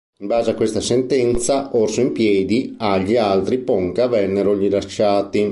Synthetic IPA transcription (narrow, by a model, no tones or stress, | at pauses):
imbaːzeakwest̪asent̪ɛnt̪saorsoimpjɛːd̪iaʎːialt̪ɾipɔŋkavɛnːeɾoʎilat͡ʃːaːt̪i